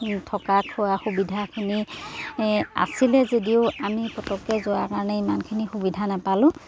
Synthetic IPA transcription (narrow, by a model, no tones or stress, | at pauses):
tʰɔkakʰuwaxubidʱakʰini | a̰silɛzediʊamipɔtɔkːɛzowakaɹɔnɛimankʰinixubidʱanapalʊ̃